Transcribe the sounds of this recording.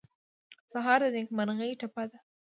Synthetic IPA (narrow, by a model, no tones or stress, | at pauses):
saɦɑɾd̪ənekmanɣəjʈapad̪a